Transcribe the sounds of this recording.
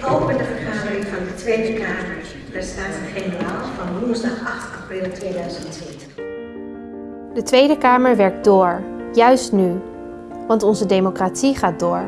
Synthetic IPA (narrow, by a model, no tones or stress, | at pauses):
owpəndəvəɹkraχərɪŋvɑndətʋejdəkaːməɹ | dəstaːtətχenəraːlsfɑnʋʊnzdɑχɑχtɑprɪlˠtʋejdœɥzəntʋɪt | dətʋejdəkaːməɹʋɛɹk̚dʊːɹjœɥstny | ʋɑntɔnzədejmokratsiχaːt̚dʊːɹ